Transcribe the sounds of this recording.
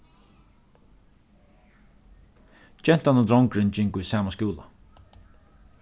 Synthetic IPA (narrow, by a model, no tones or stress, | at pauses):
t͡ʃɛn̥t̪anɔd̪ɾɔŋkɾɪnt͡ʃɪŋkujsaːmaskuːlˠa̰